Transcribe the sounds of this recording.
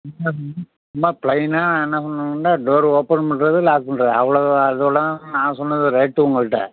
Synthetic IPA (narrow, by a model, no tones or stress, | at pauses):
ma | mːaːpɭɐɪnaːnãːɛnːɐsɔnːɐɳɖaːɖoːɾoːpːɐnmɐɳɾɐðɯlaːkɯɳɾɐɐʋɐɭɐɐðɯɐɽɐãnãːsɔnːɐðɯɾɐɪʈːɯʊŋɡɐɭɯʈːɐ̰